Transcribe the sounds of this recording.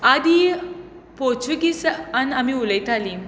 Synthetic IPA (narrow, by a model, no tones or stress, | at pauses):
ad̪i | pɔɾt͡ɕuɡisanamiuləjt̪ʰali